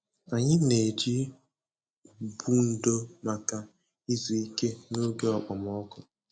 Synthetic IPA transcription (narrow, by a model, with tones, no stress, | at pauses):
a˨ɲɪ˦ne˨d͡ʒi˦ | bu˦n̩˨do˦ma˨ka˨ | i˦zu˨i˦ke˦no˦ɡe˦ɔ˨k͡pɔ˨mɔ˦kʊ˨